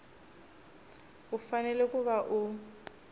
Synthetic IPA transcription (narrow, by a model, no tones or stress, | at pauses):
ʊfanɛlɛkʼʊβaʔʊ